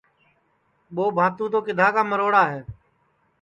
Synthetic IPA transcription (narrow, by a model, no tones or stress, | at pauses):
ɓoːbʱaːt̪ũːt̪oːkɪd̪ʱaːkaːməɾoːɽaːɦeː